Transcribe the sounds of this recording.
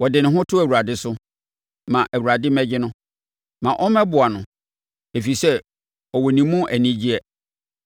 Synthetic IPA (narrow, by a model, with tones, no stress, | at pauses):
wɔ˨dɪ˨nɪ̃˨ɦʊ̃˦tʰʊ˦æ˨wu˨ɾa˨dɪ˦sʊ˦ | mã˨ʔæ˨wu˨ɾa˨dɪ˦mɛ̃˦d͡ʑɪ˦nʊ̃˦ | mã˨ʔɔ˦mɛ̃˦bʊ˨a˨nʊ̃˨ | e˨fi˨sɛ˦ | ɔ˨wɔ˨nĩ˨mːũ˦ʔæ˨nĩ˦d͡ʑi˦ɛ˦